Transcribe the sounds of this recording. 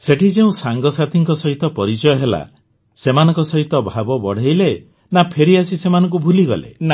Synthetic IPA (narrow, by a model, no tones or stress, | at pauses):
seʈʰid͡ʒeũsaŋɡɔsat̪ʰiŋkɔsɔɦit̪ɔpɔɾit͡ʃɔjɔɦela̰ | semanɔ̃ŋkɔsɔɦit̪ɔbʱabɔbɔɽ̤ejle | napʰeɾiasisemanɔŋk̬ubʱuliɡɔ̰lḛn